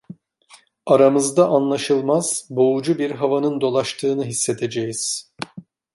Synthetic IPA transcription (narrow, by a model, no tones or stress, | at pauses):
aɾamɯzd̪aʔanlˠaʃɯlˠmaz̥bo̞ud͡ʒubiɾɦavanɯnd̪o̞lˠaʃt̪ʰɯːnɯɦisːe̞t̪ʰe̞d͡ʒejiz̥